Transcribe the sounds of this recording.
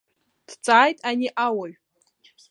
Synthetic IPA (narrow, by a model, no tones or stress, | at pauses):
d̥t͡sʼaːjtʼaniʔawaɥᶣ